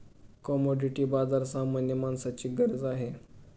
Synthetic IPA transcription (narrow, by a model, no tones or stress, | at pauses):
kɔmɔɖiʈiːbad͡zaɾsamənjəmansat͡ɕiːɡəɾəd͡zaɦe